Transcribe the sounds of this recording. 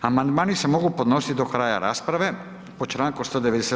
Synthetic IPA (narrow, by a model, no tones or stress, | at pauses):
amand̪maːnisemo̞ɡupo̞d̪no̞si̥t̪id̪o̞kɾaːja̰ɾa̰ːspɾaʋe̞ | pot͡ʃɾaːŋkust̪od̪eʋed̪ese